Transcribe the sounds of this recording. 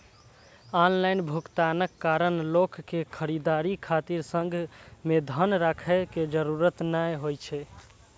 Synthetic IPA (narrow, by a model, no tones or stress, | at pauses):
anlajnbʱukt̪anəkːaɾənlokːekʰəɾid̪aɾikʰat̪iɾsəŋɡʱmed̪ʱənɾakʰɛked͡ʒəɾuɾət̪najɦojt͡ʃʰɛ